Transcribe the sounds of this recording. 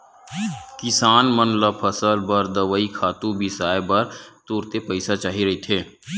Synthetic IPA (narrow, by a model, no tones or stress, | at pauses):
kɪsaːnmənləpʰɐsəlbɐɾd̪ɐʋaːikʰaːt̪ũbʱisaːebɐɾt̪uːɾt̪epəɪsat͡ʃaːɦiɾɐɦit̪ʰeː